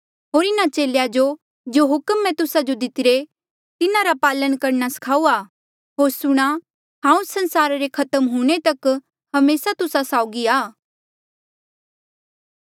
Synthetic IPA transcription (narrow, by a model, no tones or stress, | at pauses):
ɦoːɾɪnat͡ʃeːljad͡ʒo | d͡ʒoɦʊkmːɛ̃t̪ʊsad͡ʒod̪ɪt̪ɪɾe | t̪ɪnaɾapaːlənkɐɾnasɐ̥kʰaːuaː | ɦoːɾsʊɽ̃a | ɦãːũsɐ̃nsaːɾaɾekʰɐt̪əmɦuɽ̃et̪ɐk | hɐmeːsat̪ʊsasaːʊɡiaː